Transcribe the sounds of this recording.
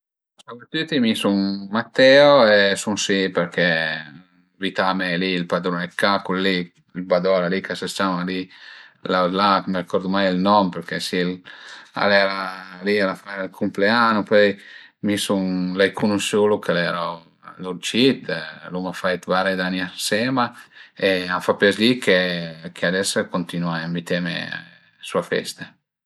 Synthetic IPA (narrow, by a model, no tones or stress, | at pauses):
savet̪yt̪imisuŋmat̪ːɛoesuŋsipeɾkʰɛ | vit̪amɛlilpad̪ɾonɛkːakulli | ilbad̪ɔlalikasast͡ʃamalilalakməɾikɔɾd̪umajilnɔmpeɾkɛsila̰lɛɾalialafaalkʰumpleanupɔjmisuŋlɛjkʰunusulukʰalɛɾɔ | luɾt͡ʃit̪lumafajt̪vaɾed̪aniasɛmaeafapɛslikʰekʰead̪ɛskont̪inwaambit̪ɛmḛ | suafɛ̰st̪a